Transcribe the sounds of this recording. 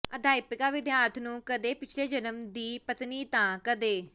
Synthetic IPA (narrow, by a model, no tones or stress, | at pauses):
əd̪ʱaːɪpɪkaːʋɪd̪jaːɾt̪ʰnũːkəd̪eːpɪt͡ʃʰleːd͡ʒənəmd̪iːpət̪niːt̪ãːkəd̪eː